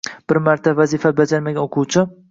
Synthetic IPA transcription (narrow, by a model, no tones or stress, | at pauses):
b̥ɪɾmaɾt̪ʰavazifabad͡ʒaɾmaɡʲanoqʰuwt͡ʃʰɪ